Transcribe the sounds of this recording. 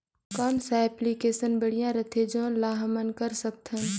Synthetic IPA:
kamsaɛplikeːsənbɐɽ̤ijãɾɐt̪ʰeːd͡ʒõːlaːɦmənkɐɾsɐk̚t̪ɦɛ̃

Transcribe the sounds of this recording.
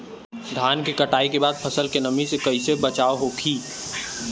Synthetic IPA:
d̪ʱaːnkikəʈaːikebaːd̪̚pʰəsəlkenəmĩsekɐɪsebət͡ʃaːoɦoːkʰiː

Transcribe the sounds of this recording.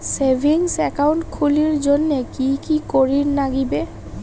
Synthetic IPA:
sebʱiŋsɛkawʊntkʰuliɹzonːekikikoɹiɹnaɡibɛ

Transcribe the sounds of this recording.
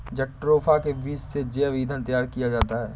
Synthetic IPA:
d͡ʒɐk̚ʈɾoːpʰakeʋiːssed͡ʒeaʋiːd̪ʱənt̪ɐjaːɾkijad͡ʒaːt̪aɦɛː

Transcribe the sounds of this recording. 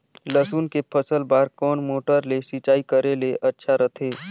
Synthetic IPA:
ləsuːnkepʰəsəlbaːɾkɔːnmoːʈəɾlesit͡ʃaːikəɾeleʔɐtːʃʰaɾət̪ʰeː

